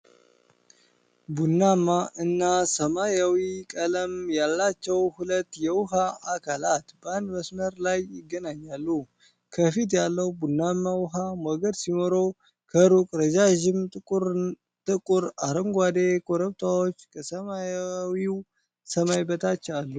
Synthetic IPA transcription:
bunːamaʔɨnːasəmajawikʼələmjalːat͡ʃːɛwhulət̪ːjɛwʊɦaʔakʰalat̪bəand̪məsməɾlajɪɡːənaɲːalːu | kʰəfit̪jalːəwbunːamawʊɦamoɡəd̪simoɾow | kʰəɾukʼɾəd͡ʒaʒɪmʼ | t̪ʼɨkʼuɾaɾəŋɡʷad̪ekʰoɾəβt̪ʰawo̞t͡ʃːkʰəsəmajwiw | səmajbət̪ʰat͡ʃːalːu

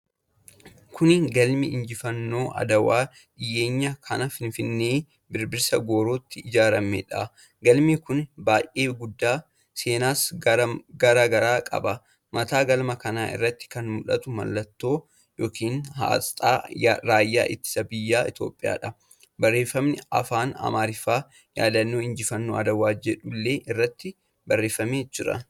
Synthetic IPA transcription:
kʰʊnɡɐlmɪɪnd͡ʒɪfɐnːo̞ːʔɐ̰d̪ɐwaː | ᶑɪjʔeːɲːɐkʰɐnɐfɪnfɪnːeː | bɪɾbɪɾsɐɡo̞ːɾoːt̪ːɪːd͡ʒaːɾɐmːḛᶑɐ | ɡɐlmikʊnbaːjʔe̞ːɡʊd̪ːaː | se̞ːnaːs | ɡɐɾaːɡɐɾaːkʼɐ̰bɐ | mɐt̪aːɡɐlmɐkɐnaːʔɪ̰rːɐt̪ːɪ̥kɐnmʊᶑɐt̪ʊmɐ̰lːɐt̪ːo̞ː | joːkʰiːnɦa̰ːst̪ʼaːɾaːjːa̰ːʔɪt̪ːɪ̥sɐbɪjːaːɪt̪o̞̰ːpʼːɪja̰ːᶑɐ | bɐrːe̞ːfːɐmnɪɐ̰faːnɐ̰maːɾɪfaː | ja̰ːd̪ɐnːoːɪnd͡ʒɪfɐnːuɐ̰d̪ɐwaːd͡ʒɛᶑʊlːe̞ːʔɪrːɐt̪ːɪ | bɐrːe̞ːfːɐmeːd͡ʒɪɾɐ̰

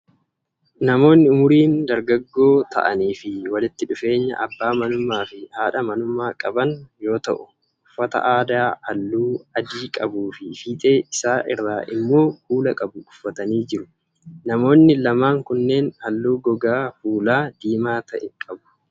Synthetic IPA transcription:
nɐmo̞ːnːɪʊmʊɾiːnd̪ɐɾɡɐɡːo̞ːt̪ʰɐ̰ʔɐ̰niːfɪwɐlɪt̪ːɪᶑʊfe̞ːɲːɐ̰ʔɐbːaːmɐnʊmaːfɪhaːᶑɐmɐnʊmaːkʼɐbɐnjo̞ːt̪ɐ̰ʔʊ | ʊfːɐt̪ɐ̰ʔaːd̪aːhɐlːuːɐd͡ʒiːkʼɐbuːfɪfiːt̪ʼe̞ːʔɪsaːʔɪrːaːʔɪmːo̞ːhuːlɐkʼɐbʊʔʊfːɐt̪ɐniːd͡ʒɪɾʊ | nɐmo̞ːnːɪlɐmaːŋkʊnːe̞ːnhɐlːuːɡɔɡaːfuːlaːd̪iːmaːt̪ɐʔɛkʼɐbʊ̥

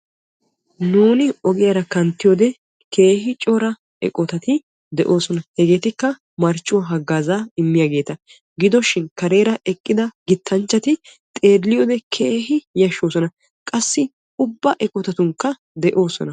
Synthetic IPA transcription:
nuːnɪɔɡɪjɐɾɐkɐnt̪ːɪjɔd̪ɛ | kʰe̞ːɦɪt͡ʃʼɔɾɐ | ɛ̰kʼɔt̪ɐt̪ɪ | d̪ɛʔo̞ːsɔnɐhɛɡe̞ːt̪ɪkːɐ | mɐɾt͡ʃʼːʊwɐɦɐɡːaːzaːɪmːɪjaɡe̞ːt̪ɐ | ɡɪd̪ɔʃɪnkɐɾe̞ːɾɐʔɛkʼːɪd̪ɐɡɪt̪ʰːɐnt͡ʃːɐt̪ɪ | t̪ʼe̞ːdlɪjod̪ɛkʰeːɦɪjɐʃːoːsɔnɐ | kʼɐsːɪ | ʊbːɐʔɛkʼɔt̪ɐt̪ʊŋkːɐ | d̪ɛʔo̞ːsɔ̰nɐ

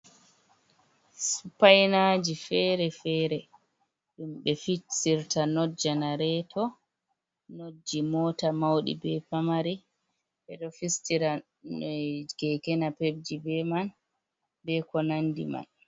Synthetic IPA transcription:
supajnad͡ʒifɛɾɛfɛːɾɛ | ɗumɓɛfisiɾtanɔd͡ʒanaɾɛtʰɔ | nod͡ʒimɔtamawɗḭbɛpamaɾi | bɛɗɔfistiɾa | ɡɛkɛnapeb̚d͡ʒibɛman | bɛkɔnandḭma̰n

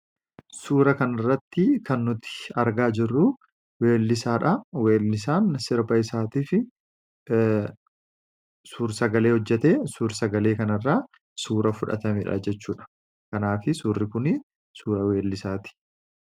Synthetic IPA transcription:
suːɾɐkɐnɐrːɐt̪ːɪkɐnːʊt̪ɪ̥ɐɾɡaːd͡ʒɪrːʊ | weːlːɪsaːᶑɐwe̞ːlːɪs̬aːnsɪɾbɐɪsaːt̪iːfɪ | suːɾsɐɡɐle̞ːhɔd͡ʒːɛt̪eːsuːɾsɐɡɐle̞ːkɐnɐrːaː | suːɾɐfʊᶑɐ̰t̪ɐmiːᶑɐ̰d͡ʒɛt͡ʃːuːᶑɐ̥ | kɐnaːfɪsuːrːɪkʊnɪ | suːɾɐwe̞ːlːɪsaːt̪ɪ̥

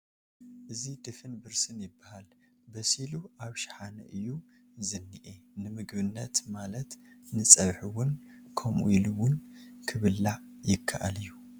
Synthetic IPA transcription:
ʔɨzid̪ɨfɨnbɨɾsɨnjɪbːahal | bɐsiluʔaβʃɪ̥ħanɐ̰ʔɨjːu | zɨnːiʔenɨmɨɡβɨnːɐt̪malɐt̪nɨt͡sʼɐβħɨwʊnkʰɐmʔṵilɨwʊnkʰɨβɨlːa | jɪkʰːaʔa̰lɨjːu

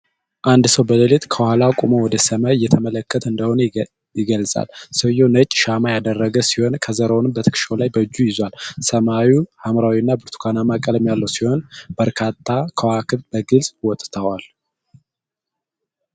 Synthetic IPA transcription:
ʔand̪səwbələlet̪kʰəwhalakʼumowɔd̪əsəmawjːɛt̪ʰəmələkːət̪ʰəɨnd̪əho̞nə | jɪɡəlsʼa̰lsəjonət͡ʃʼːʃamajad̪ərːəɡəsiho̞nkʰəzəɾownɨmbət̪ʰɨ̥kʃolajbəɨd͡ʒːujɪzwalsəmawihamɾawinːabɨɾt̪ʰu̥kʰanamakʼələmjalːəwsiho̞nbəɾkʰat̪ʼʰːakʰəwakʰɨβbəɡɨlsʼwɔt̪ʼt̪ʰəwal

